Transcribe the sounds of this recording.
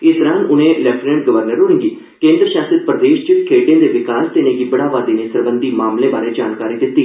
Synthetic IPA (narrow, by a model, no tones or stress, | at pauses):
ɪsd̪əɾaːnʊnẽːlɛpʰnɛ̃ːɳʈ̚ɡəʋəɾnəɾʊɽ̃ẽːɡiː | kẽːnd̪ɾəʃaːsət̪̚pɾəd̪eːʃt͡ʃɪkʰeːʈejãːd̪eːʋɪkaːst̪ɪnẽːɡiːbəɽaːʋaːd̪iːnẽːsəɾbənd̪iːmaːmlẽːbaːɾeːd͡ʒaːnkaːɾiːd̪ɪt̪ːiː